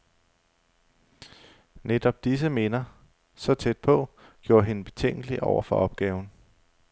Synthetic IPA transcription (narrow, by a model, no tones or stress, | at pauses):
ned̥ɒ̽b̥̚d̥is̬əme̝ːnɐ | sɒ̽t͡sʰed̥̚pʰɒ̽ɡ̥jo̝ːɐɦe̝nb̥e̝t͡sʰeŋ̰ɡ̥əliʔɒʊɐfɒ̽ʔɒ̽b̥ɡ̥ɛːʊn̩